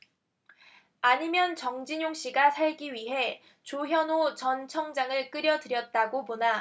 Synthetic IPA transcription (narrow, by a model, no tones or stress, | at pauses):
aɲimjʌnt͡ɕʌŋd͡ʑiɲoŋɕ͈iɡasʰaɭɡiɥiɦe̞ | t͡ɕoɦjʌnot͡ɕʌnt͡ɕʰʌŋd͡ʑaŋɯɭk͈ɯɾjʌdɯɾjʌt̚t͈aɡopona